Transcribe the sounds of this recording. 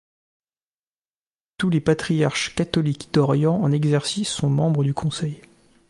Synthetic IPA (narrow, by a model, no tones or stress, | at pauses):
t̪ulepat̪χijaʁʃkat̪ɔlikd̪̥ɔʁjɑ̃ɑ̃nɛɡzɛʁsisːɔ̃mɑ̃bʁəd̪ykʰɔ̃sɛj